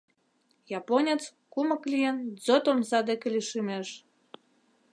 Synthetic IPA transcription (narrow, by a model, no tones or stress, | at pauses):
jɑponʲet͡s | kumə̆klʲijend͡zot̪omzɑd̪ekĕlʲiʃimeʃ